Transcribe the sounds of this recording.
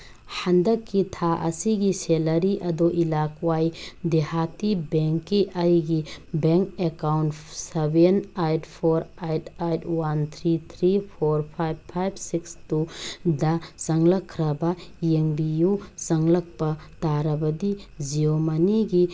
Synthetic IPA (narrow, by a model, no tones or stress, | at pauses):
handɐkːitʰaʔɐ̰siɡiselɐɾiʔɐdoʔilakwajdehatibeŋkːiʔajɡibeŋkekawntsebenajtpʰoɾajtajtwant̪ʰɾit̪ʰɾipʰoɾpʰajb̚pʰajb̚sikstudɐsɐŋlɐkʰːɾɐbɐjeŋbijuzɐŋlɐk̚pɐtaɾɐbɐdiziomaniɡi